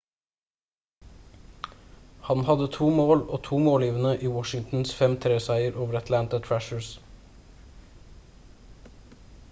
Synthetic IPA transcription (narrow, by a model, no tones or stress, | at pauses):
hɑnhɑd̪ət̪ʰuːmoːloːt̪ʰuːmoːliːʋənəʔiːwɔʃɪŋt̪n̩sfɛmt̪ʰɾeːsæɪəɾʔoːʋəɾɑt̪ʰlænt̪ət̪ʰɹæʃəɹs